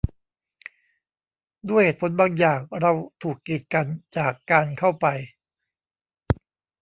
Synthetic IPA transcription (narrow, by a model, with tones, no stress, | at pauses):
d̪u˥˩əjheː˨˩t̪̚pʰo˩˦nbaː˧ŋjaː˨˩k̚ɾa˧wt̪ʰuː˨˩kːi˨˩t̪̚ka˧nt͡ɕaː˨˩kːaː˧nkʰa˥˩wpa˧j